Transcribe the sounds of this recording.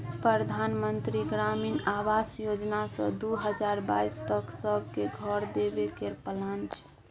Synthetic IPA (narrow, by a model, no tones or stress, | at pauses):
pɾəd̪ʱanmənt̪ɾiɡɾaminawasjod͡ʒnasə̰̃d̪uɦəd͡ʒaɾba̰ist̪əksəbʱkeɡʱɔɾd̪ebekeɾpəlant͡ʃʰ